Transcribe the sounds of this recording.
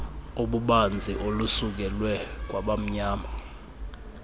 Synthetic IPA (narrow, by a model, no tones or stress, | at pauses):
oɓuɓand͡zʱiʔolusuk̬ɛlwɛk̬wʔaɓam̩ɲaːma